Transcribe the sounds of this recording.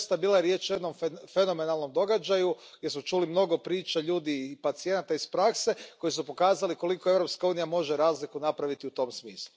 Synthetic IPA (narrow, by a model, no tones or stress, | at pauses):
st̪abiːlaeɾje̞t͡ʃujed̪no̞mfe̞no̞me̞nalˠno̞md̪o̞ɡad͡ʒaju | ɡɡdʲje̞smut͡ʃuːlimno̞ɡo̞pɾiːt͡ʃaʎuːd̪ipat̪sie̞nat̪aispɾakse̞ko̞jis̬upo̞kaːzaliko̞likoe̞ʋɾopskauːnijamo̞ʒe̞ɾaːzlikunapɾaʋit̪iut̪o̞msmiːslˠu